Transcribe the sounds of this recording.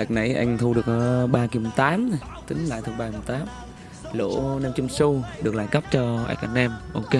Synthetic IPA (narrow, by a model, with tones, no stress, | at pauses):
ʔa˨˩k̚na˧˩jʔa˧jŋ̟t̪ʰu˧ɗɨ˨˩ək̚ːɓaː˧ki˨˩m̚˨˩t̪aː˨˦m˨ | t̪ï˨˦ŋ̟la̰ː˧˨jt̪ʰu˧ɓaː˧i˨˩mo˨˩t̪aː˨˦m | lo̰˧˥nɛ˧mt͡ɕʊ˧ŋ͡msu˧ɗɨ˨˩əklaː˧˨˩jkə˦˥p̚t͡ɕɔ˧ʔa̰˧˥˩k̚ʔa˧˩nʔɛ˧mʔo˧ke˧˦